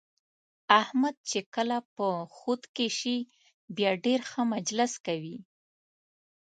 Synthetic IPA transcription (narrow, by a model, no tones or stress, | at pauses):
ahmad̪̚t͡ʃekəlapəxut̪keʃi | bjɑɖeɾxəmad͡ʒlɪskawi